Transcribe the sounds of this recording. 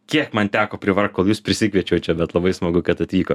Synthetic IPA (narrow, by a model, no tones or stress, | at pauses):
kʲiɛkmɐnt̪ʲæːkoːpʲɾʲɪʋɐrk̚koːlˠjuːspʲɾʲɪsʲɪkʋʲiɛt͡ʃʲɛʊtt͡ʃʲɛbʲɛt̪lˠɐbɐɪsmɐɡʊkɐt̪ɐt̪ʋʲiːkoː